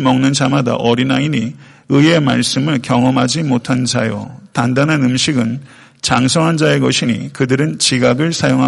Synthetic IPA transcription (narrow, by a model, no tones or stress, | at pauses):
mʌŋnɯnd͡ʑamada̰ʔʌɾinaini | ɯe̞maɭs͈ɯmɯɭkjʌŋʌmɦad͡ʑimotʰand͡ʑajo̰tandanɦanɯmɕʰiɡɯn | t͡ɕaŋsʰʌŋɦand͡ʑae̞ɡʌɕʰiɲḭkɯdɯɾɯnt͡ɕiɡaɡɯɭsʰajoŋɦa